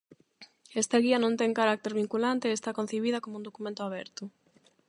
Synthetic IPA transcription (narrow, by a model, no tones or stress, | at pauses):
est̪aɣiɐnõnt̪eŋkaɾak̚t̪eɾβiŋkulant̪eːst̪akon̟θeβ̞iðɐkomũnd̪okumẽnt̪ʊaβ̞ɛɾt̪ʊ